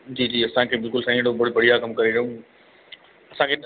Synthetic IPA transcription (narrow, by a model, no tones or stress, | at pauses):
d͡ʑiːd͡ʑiːɐsãkʰeːbɪlkʊlsãĩɽobɐɽbɐɽijakɐmkɐɾeɾũ | ɐsãkʰe